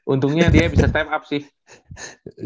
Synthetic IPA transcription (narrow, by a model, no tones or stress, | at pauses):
ʔunt̪ʊŋɲadiabisast̪ɛpap̚sɪh